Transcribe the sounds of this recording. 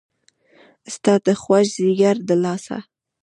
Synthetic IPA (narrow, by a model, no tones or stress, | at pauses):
st̪ɑd̪əxwaʒziɡaɾd̪əlɑsa̰